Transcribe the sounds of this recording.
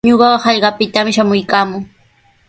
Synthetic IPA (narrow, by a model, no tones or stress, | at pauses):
ɲoɢɑhɑʎɢɑpɪt̪amʃamʊjkaːmʊŋ